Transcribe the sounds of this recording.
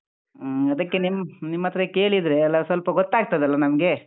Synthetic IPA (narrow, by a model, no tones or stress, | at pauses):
ɐd̪ɐkːe̞nimnimːɐt̪ːɐɾeke̞ːɭid̪ɾe̞ɐlːɐsʋɐlpɐɡot̪ːaːɡ̚t̪ɐd̪ɐlːɐnɐmɐɡe̞